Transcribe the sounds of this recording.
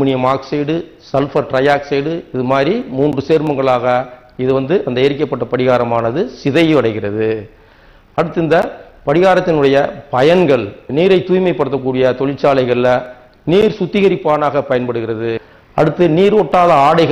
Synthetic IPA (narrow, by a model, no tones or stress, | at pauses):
mɪnɪjɐmaːkseːɽɯ | sɐlfɐɾʈɾɐjaːkseːɽɯɪðɯmaːɾimuːndrɯseːɾmɐŋɡɐɭaːɣɐ | ɪðɯʋɐnd̪ɯʔɐnd̪ɐeɾɪk̬ːɐpːɐʈːɐpɐɽɪɣaːɾɐmaːnɐðɯsɪðɐjʋɐɽɐɪɣɪrɐðɯ | ɐɽɯt̪ːɯnd̪ɐpɐɽɪɣaːɾɐt̪ːɪnɯɽɐjɐpɐjɐnɡɐɭniːɾɐɪt̪ːuːjmɐɪpːɐɽɯt̪ːɐk̬ːuːɽɪjɐt̪ɔɻɪʈt͡ʃːaːlɐɪɣɐɭɐ | niːɾsʊt̪ːɪɣɐɾɪpːaːnaːɣɐpɐjɐnpɐɽɯɣɪrɐðɯ | ɐɽɯt̪ːɯniːɾɔʈːaːðɐaːɽɐɪɣɐ